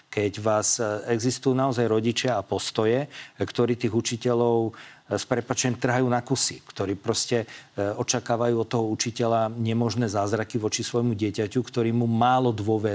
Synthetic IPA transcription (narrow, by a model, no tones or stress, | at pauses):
kɛɟʋaːzɛɡzist̪ujuːnaɔzajɾɔɟit͡ʃɪaːpɔst̪ɔjɛkt̪ɔɾiːt̪iːɣut͡ʃicɛʎɔʊspɾɛpaːt͡ʃɛɲɛmt̪r̩ɦajuːnakusikt̪ɔɾiːpɾɔscɛɔt͡ʃakaːʋajuːɔt̪ːɔɦɔut͡ʃicɛʎaɲɛmɔʒnɛːzaːzɾakiʋɔt͡ʃisʋɔjmuɟɪɛcacukt̪ɔɾiːmumaːlɔd̪ʋʊɔʋɛ